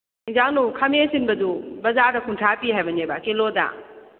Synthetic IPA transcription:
iŋzanukʰamesinbɐdubɐzaɾdɐkʰuntʰapiɦajbɐnebakeloda̰

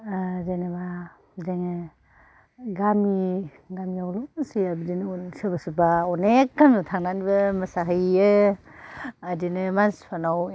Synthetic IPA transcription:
zeneba | zeŋɯ | ɡami | ɡamiawlɔsiabidinsɯbasubaɔnekːamnutʰaŋnanibɐmasaɦɯjɯ | adinɯmanspʰanaw

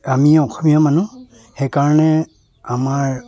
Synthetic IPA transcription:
amiɔkʰɔmijamanu | hɛjkaɹanɛ | amaɹ

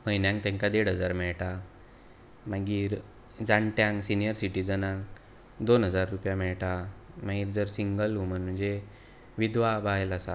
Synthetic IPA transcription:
məjnjãŋk̚t̪ɛ̃ŋkad̪eɽ̤ɦəd͡zaɾmɛɭʈa | maɡiːɾ | d͡zaɳʈjãŋɡsinijəɾsiʈid͡zənãŋ | d̪onɦəd͡zaɾːupjamɛɭʈamaɡiːɾd͡zəɾsiŋɡəlum̤ənm̤əɳd͡ze | ʋid̪ʋabajlasa

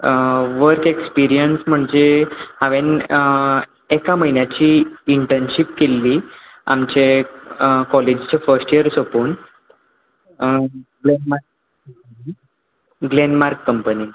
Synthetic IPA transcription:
ʋəɾkekspiɾijənsm̤əɳd͡zehaʋen | ekaməɦinjat͡ɕiːɳʈənɕipkelːi | a̰mt͡ɕe | kɔled͡ʑt͡ɕefəɾsʈijəɾsopuːn | ɡlenmaɾkː | əmpni | ɡlenmaɾkːəmpəni

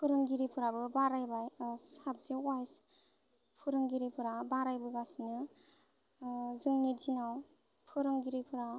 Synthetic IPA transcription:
pʰɯɾɯŋɡiɾipʰɯɾabɯbaɾajbajsab̚zewajs | pʰɯɾɯŋɡiɾipʰɯɾabaɾajbɯɡasnɯ | zɯŋnid͡ʒinaw | pʰɯɾɯŋɡiɾipʰɯɾa

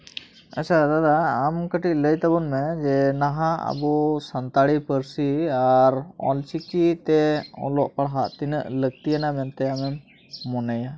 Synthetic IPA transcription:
ət͡ʃad̪ad̪aːmkəʈiʔ̚ləjt̪abɔnmɛd͡ʒɛnaɦãa̰bɔsant̪aɽipəɾsiaɾɔ̰lt͡ʃikit̪ɛɔ̰lɔʔpaɽɦaʔt̪inəʔlək̚t̪ijanamɛnt̪ɛamɛmː | ɔnaja

